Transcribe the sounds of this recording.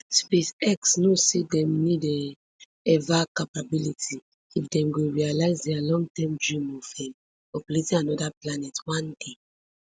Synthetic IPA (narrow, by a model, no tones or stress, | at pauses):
spesɛksnosedɛ̃mnidɛ | ɛvakapabilitʰi | ifdɛ̃mɡoɹialaɪzdɛalɔ̃ŋɡtɛ̃mdɹĩmɔfɛ̃m | ɔpɛɾetĩanɔdaplanɛtwãnde